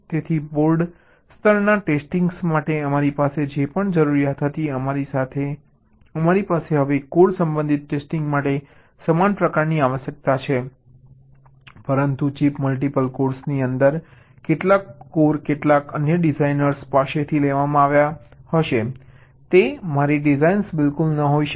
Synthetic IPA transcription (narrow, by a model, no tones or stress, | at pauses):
t̪et̪ʰibolɖ | st̪ʰəɾnaʈesʈiŋɡsmaʈeəmaɾipased͡ʒepəɳd͡ʒəɾuɾijat̪ɦət̪iəmaɾisat̪ʰe | əmaɾipaseɦəʋekoɾsəmbə̃nd̪ʱit̪̚ʈesʈĩŋɡmaʈe | səmanpɾəkaɾniaʋəʃjək̚t̪at͡ʃʰe | pəɾənt̪ut͡ʃipməlʈ̬ipəlkoɾsniənd̪əɾ | keʈlakːoɾkeʈlakənjəɖizainəɾspaʃet̪ʰileʋamãaʋjahəʃe | t̪emaɾiɖɪzainsbɪlkulnəɦoiʃ